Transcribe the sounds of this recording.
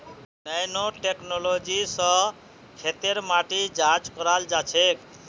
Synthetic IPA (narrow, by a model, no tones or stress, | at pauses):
nɛjnoʈeknolod͡ʒisʌ̃ | kʰet̪eɾmaʈid͡ʒad͡ʒkɔɾald͡ʒat͡ʃʰek